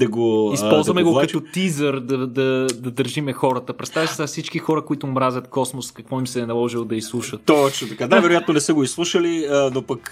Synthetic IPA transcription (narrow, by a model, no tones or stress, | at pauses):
d̪ɐɡoispɔlˠzvɐmɛɡokɐt̪ot̪izəɾd̪ɐd̪ɐd̪ɐd̪əɾʒimɛxɔɾɐt̪əpɾɛt̪st̪avəsi̥safsit͡ʃkixɔɾəkoit̪ʊːmɾazʲjət̪kɔsmoskɐkvɔimsɛnɐlˠɔʒilˠod̪ɐislˠuʃət̪t̪ɔt͡ʃnot̪ɐkanajvɛɾʊjat̪nonɛsəɡoislˠuʃəliənopɐk